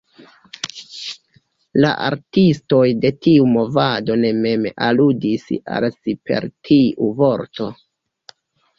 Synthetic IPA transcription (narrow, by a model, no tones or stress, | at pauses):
la̰ʔa̰ɾtisto̞jde̞tiumo̞vado̞ne̞memʔaludisa̰lsipʰe̞̰ɾtʰiʔuvo̞ɾto̞